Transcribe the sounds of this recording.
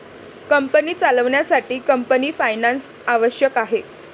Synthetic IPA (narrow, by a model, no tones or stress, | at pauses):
kəmpəniːt͡saləʋɳjasaʈiːkəmpəniːfajnans | aʋəɕjəkaɦe